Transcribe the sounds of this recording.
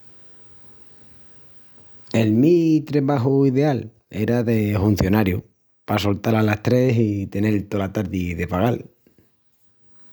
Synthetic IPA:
e̞lmit̪ɾeβaɦuiðe̞al | eɾaðe̞fun̟θjo̞naɾju | paso̞lt̪alalast̪ɾe̞sit̪e̞ne̞lt̪o̞lat̪aɾðiðe̞paɣal

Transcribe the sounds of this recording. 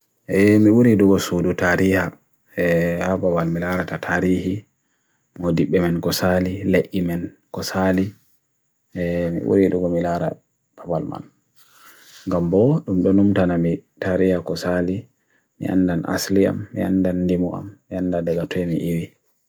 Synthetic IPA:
ʔɛmiuɾiduɡɔsodutaːɾiha | ɛhabawalmilaɾatatʰaːɾiːhi | modiɓːɛmɛnkɔsalileʔːimɛn | kɔsali | ʔɛmḭʔṵɾiduɡɔmilaɾa̰ | b̥awalma̰l | ŋɡambɔɗumɗɔnumtanamitaɾihakɔsali | mḭʔa̰ndanʔa̰slia̰mːia̰ndandimɔʔa̰mːiandadɛɡatʰɔmḭʔiwi

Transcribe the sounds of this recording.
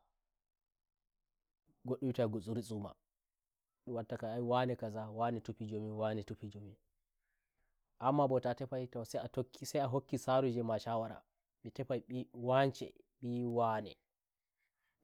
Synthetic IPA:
ɡoɗːumitaɡosʼuɾisʼuma̰ | ɗuwatːakaajiwanɛkazawanɛtupid͡ʒomiwanɛtupid͡ʒomi | ʔamːabɔtatɛpajtawsɛatokʰːisɛjaɦokːisaɾud͡ʒɛmaʃawaɾa̰ | mitɛpajwant͡ʃɛ̰ | ɓiwanɛ̰

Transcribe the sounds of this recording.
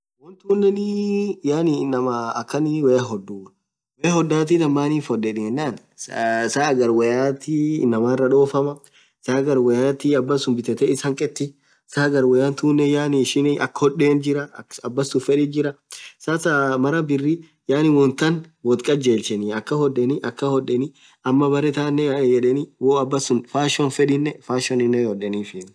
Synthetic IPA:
wɔnt̪uːnːɛnɪjaːnɪnːɐmɐɐkːɐnɪwɛjaɦɔd̪uː | wɛjahɔd̪ːaːt̪̬id̪ɐmːaːnifɔdːɛᶑɪɛnːaːn | ssaːɡɐɾwɛjaːt̪ḭnːɐmaːɪrːɐᶑo̞ːfɐmɐ | saːɡɐɾwɐjaːt̪ɪɐbːɐsʊmbɪt̪ɛt̪ɛɪsɐŋkʼɛt̪ːɪ | saːɡɐɾwɔjant̪uːnːɛjaːnɪɪʃɪnɪʔɐ̰kːhɔᶑːe̞ːnd͡ʒɪɾɐɐbːɐsːʊfɛᶑɪd͡ʒɪɾɐ | sasamɐɾɐbɪrːi | jaːnɪwɔnt̪ɐnwɔt̪kʼɐd͡ʒeːlt͡ʃɛniɐkːɐhɔᶑːɛniʔɐkːɐhɔᶑɛni | ɐmːɐbɐɾɛt̪aːnːɛd͡ʒɛᶑɛniwoːɐbːɐsʊnfaːʃɔnfɛᶑɪnːɛfaːʃɔnɪnːɛhɔᶑɛniːfɪ

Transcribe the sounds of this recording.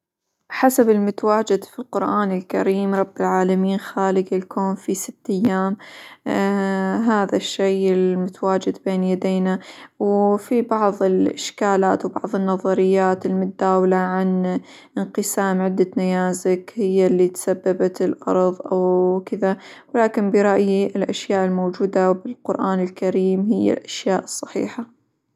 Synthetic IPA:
ħasabɪlmʊt̪awaːd͡ʒɪd̪filqʊɾʔaːnɪlkaɾiːmɾˤɑbːɪlʕaːlamiːnxaːlɪɡɪlkʰoːnfisɪt̪ːʔajːaːm | ɦaːðaʃːejɪlmʊt̪awaːd͡ʒɪd̪beːnjad̪eːnawfibɑʕðˤɪlʔɪʃkaːlaːt̪wbɑ̰ʕðˤɨnːɑðˤɑɾɪjːaːt̪ɪlmʊt̪̚d̪aːwalaʕan | ʔɪnqɨsaːmʕɪd̪ːanajaːzɪkhɪjːalːit̪sabːabat̪ɪlʔɑ̰ɾˤðˤʔawkɪðawlaːkɪnbɪɾˤɑʔjiɪlʔaʃjaːʔɪlmowːd͡ʒuːd̪abɪlqʊɾʔaːnɪlkaɾiːmhɪjːa̰lʔaʃjaːʔɨsˤːɑ̥ħḭːħa

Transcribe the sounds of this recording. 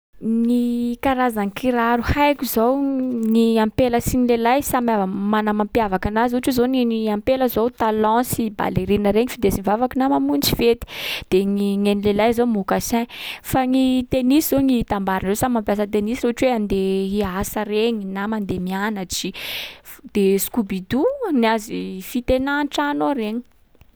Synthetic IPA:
ŋikaɾazaŋikiɾaɾuhajkʲuzowniampeləsinilelajsamamanəmampjavakanazuʈ͡ʂizoniampeləzowt̪alɔ̃siba̰leɾinəɾeɲifid̪esinvavakinamamunt͡sivet̪i̥d̪̥eŋiŋenilelajzomukasɛ̃faŋit̪eniszoŋiit̪ambaɾanreowsamampjas̬ət̪̬enisireaʈ͡ʂweand̪eɦiasəɾeɲinamand̪emianat͡si | d̪̥esu̥kubid̪uniazifit̪enanʈ͡ʂanoɾeɲi̥

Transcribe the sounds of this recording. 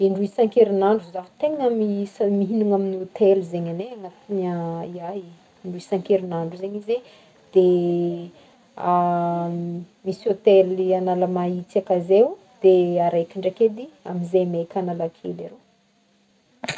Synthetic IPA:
iɳɖ͡ʐuisaŋkeɾinaɳɖ͡ʐuzaht̪eŋəmismiɦinuŋaminiot̪eluzeɲaneaŋat̪inaiaj | ɳɖ͡ʐuisaŋkeɾinaɳɖ͡ʐuzeɲize | d̪̥e | a | misiot̪elianalamait͡sakazew | d̪̥eaɾekiɳɖ͡ʐaked̪ia̰minzemekanalakʰelaɾe

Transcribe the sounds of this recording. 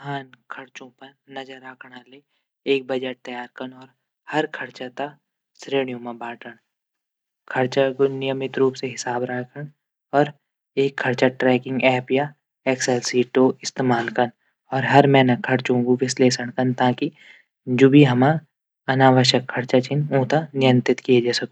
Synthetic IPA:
ɦaːnkʰɐɾt͡ʃõpɐɾnɐd͡ʒəɾaːkʰɽale | eːk̚bɐd͡ʒeʈ̚t̪ɐjaːɾkənɔːɾ | hɐɾkʰɐɾt͡ʃat̪a | sɾeːɽ̃ijõmãbaːʈəɽ̃ | kʰɐɾt͡ʃakʊnɪjəmɪt̪ɾuːpseɦɪsaːbɾaːkʰəɳ | ɔːɾ | eːkʰːɐɾt͡ʃaʈɾɛːkɪ̃ŋɡɛːpja | eːksɛlsiːʈoɪst̪eːmaːlkɐn | ɔːɾɦɐɾmɛ̃ːnɐkʰːɐɾt͡ʃõːɡuʋɪsleːsəɽ̃kɐnt̪aːki | d͡ʒoːbʱiɦɐma | ɐnaːʋəʃ̬jəkʰːɐɾt͡ʃat͡ʃʰinõːt̪anɪjə̃nt̪ɪt̪kijed͡ʒaːsɐko

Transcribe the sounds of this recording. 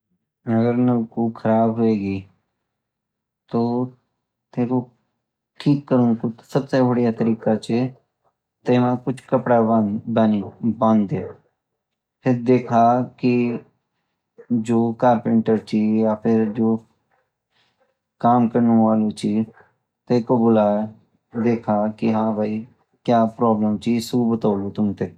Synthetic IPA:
ɐɡəɾnɐbkukʰɐɾaːbɦoeːɡiː | t̪oː | t̪ẽːko | ʈʰiːkːəɾũŋkut̪sɐbsebɐɽijat̪əɾiːkat͡ʃʰe | t̪eːmãkʊt͡ʃʰkɐpɽabanibãnd̪e | pʰɪɾd̪eːkʰakɪ | d͡ʒoːkaːɾpəɳʈəɾt͡ʃiːjaːpʰɪɾd͡ʒoː | kaːmkəɾnũaːloːt͡ʃiː | t̪eːkobʊlaːɛ | d̪eːkʰaːkɪɦãːbʱaiː | kjaːpɾɔːbləmt͡ʃiːsuːbət̪aːluːt̪ʊmt̪eː

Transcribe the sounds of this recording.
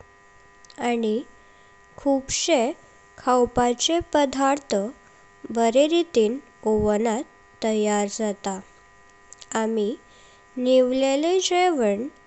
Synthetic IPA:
ani | kʰubɕe | kʰawpat͡sepəd̪ʱaɾt̪ʰə | bəɾeɾit̪iːn | oʋnat̪ːəjaɾd͡zat̪a | ami | niʋleled͡ʑeʋəɳ

